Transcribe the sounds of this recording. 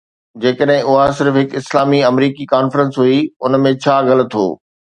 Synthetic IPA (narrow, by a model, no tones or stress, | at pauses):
d͡ʑeːkəɗɦɪ̃ʊɦasɪɾfɦɪkɪslaːmiɐmɾiːkikaːnfɾə̃nsɦuiʊnmẽt͡ɕʰaːɣɐl̆t̪ʰːo̰ː